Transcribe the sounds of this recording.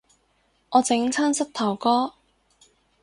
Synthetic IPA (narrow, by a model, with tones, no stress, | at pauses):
ɔː˨˧t͡sɪ˨˥ŋt͡sʰaː˥nsɐ˥t̚t̪ʰɐ˨˩wkɔː˥